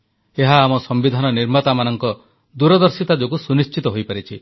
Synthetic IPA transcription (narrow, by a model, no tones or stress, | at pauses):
eɦaːmɔsɔmbid̪ʱanɔniɾmat̪amanɔŋkɔ | d̪uɾɔd̪ɔɾsit̪ad͡ʒokusunist͡ʃit̪ɔɦojpaɾit͡ʃʰi